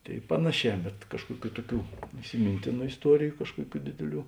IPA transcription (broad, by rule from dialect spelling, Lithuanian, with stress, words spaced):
ˈtʲeːɪ ˈpɑːnɐˌʃʲɛː bʲɛt ˈkɑːʃkuɔˌkʲuː ˈtuɔˌkʲuː ɪsʲɪˈmʲɪnʲtʲeːnʊ ɪsˈtuɔrʲɪjʊ ˈkɑːʃkuɔˌkʲuː ˈdʲeːdʲeːˌlʲuː